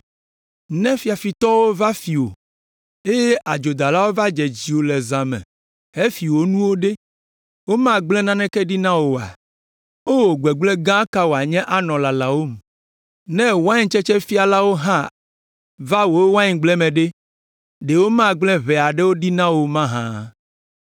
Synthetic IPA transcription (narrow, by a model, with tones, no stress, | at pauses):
nɛ̃˦fi˨˦a˨fi˨t̪ɔ˦wo˦va˦fi˨wo̰˨ | e˦je˦ʔa˨d͡ʒo˨d̪a˨la˦wo˦va˦d͡ʒɛ˨d͡ʑi˨wo˨lɛ˨zã˨mɛ̰̃˨ | he˦fi˨wo˨nũ˦wo˦ɖe˦ | wo˦mã˦ɡ͡blɛ̃˦nã˦nɛ̃˦kɛ˦ɖi˦nã˦wo˨a̰˨ | o˦wo˨ɡ͡bɛ˨ɡ͡blɛ˦ɡã˦ka˦wo˨a˨ɲɛ̃˦ʔa˨nɔ̃˨la˨la˨wo˦m˨ | nɛ̃˦wa˦ɲĩ˦t͡ʃɛ˦t͡ʃɛ˦fi˦a˨la˦wo˦ɦã˦ | va˦wo˨˦wa˦ɲĩ˨ɡ͡blɛ˦mɛ̃˨ɖe˦ | ɖe˨wo˦mã˦ɡ͡blɛ̃˦βɛ˨a˨ɖe˦wo˦ɖi˦nã˦wo˨mã˦ɦã̰˦